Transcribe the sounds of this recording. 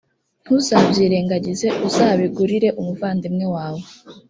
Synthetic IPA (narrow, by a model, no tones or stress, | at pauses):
n̥husabziːɾe̞ŋɡaɟize̞ʔuzaβiɡuɾiɾe̞ʔumuvaːndimŋe̞waːwo